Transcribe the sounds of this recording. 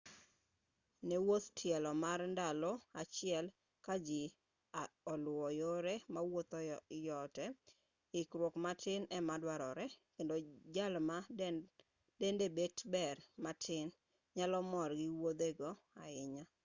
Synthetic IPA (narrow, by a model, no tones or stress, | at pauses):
newot̪tʰjɛlɔmarndalɔat͡ʃɪɛl | kad͡ʒɪ | ɔlʊwɔjoɾemawot̪ɔjɔtɛ | ɪkɾwokmatʰɪnɛmadwaɾɔɾɛkendod͡ʒalma | dendebetbɛrmatʰɪn | ɲalɔmɔrɡɪwod̪eɡɔ | aɪɲa